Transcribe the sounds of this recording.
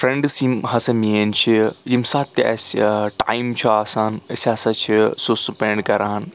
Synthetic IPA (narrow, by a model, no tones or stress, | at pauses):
fɾeɳɖsimɦɐsɐmient͡ʃʰijimsaːt̪ːiɛ̰sʈaːjmt͡ʃʰuaːsaːnəsɐːsɐt͡ʃʰisusupeɳɖkɐɾaːn